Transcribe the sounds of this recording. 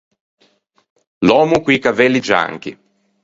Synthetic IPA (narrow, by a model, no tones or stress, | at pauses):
lɔːmukwikavɛlːid͡ʒa̰ŋkḭ